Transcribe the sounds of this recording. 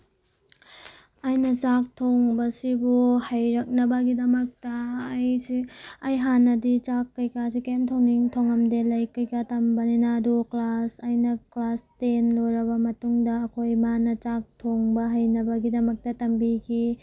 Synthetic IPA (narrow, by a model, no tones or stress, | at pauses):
ajnɐt͡ʃak̚tʰoŋbɐsibuhɐjɾɐk̚nɐbɐɡidɐmɐk̚tɐːjsiːjɦanɐdit͡ʃakːɐjkas̬ikemtʰowniŋtʰoŋɐmdelɐjkɐjkatɐmbɐninaːduklasajnɐklastenloɾɐbɐmɐtuŋdɐːkʰojmanɐt͡ʃak̚tʰoŋbɐɦɐjnɐbɐɡidɐmɐk̚tɐtɐmbikʰi